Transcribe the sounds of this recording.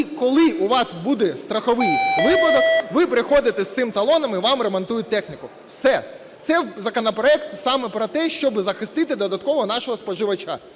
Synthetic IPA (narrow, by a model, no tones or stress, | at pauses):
kɔlˠɪuʋɑsbud̪ɛst̪ɾɐxɔʋɪjʋɪpɐd̪ɔkʋɪpeɾɪxɔd̪ɪt̪ɛst̪ɪmt̪ɐlˠɔnɐmiʋɑmɾemɔnt̪ujʊt̚ʲt̪ɛxnʲɪkʊ | wsɛ | t̪sɛzɐkɔnɐpɾɔɛkt̪sɑmɛpɾɔt̪ɛʃt͡ʃɔbzɐxɪst̪ɪt̪ɪd̪ɔd̪ɐt̪̚kɔʋɔnɑʃɔɦɔspɔʒɪʋɐt͡ʃa̰